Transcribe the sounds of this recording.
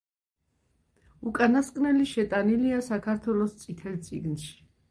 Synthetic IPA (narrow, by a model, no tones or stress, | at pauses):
ukʼanaskʼnɛliʃɛt̪ʼaniliasakʰaɾt̪ʰwɛlɔst̪sʼit̪ʰɛlt̪sʼḭɡnʃi̥